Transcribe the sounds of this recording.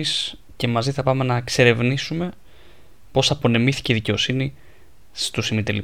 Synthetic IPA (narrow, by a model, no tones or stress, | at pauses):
s | ce̞mɐziθɐpɐme̞nɐkse̞ɾe̞vnisume̞ | po̞sɐpo̞nemiθi̥ceiðice̞o̞sini | st̪usimit̪eli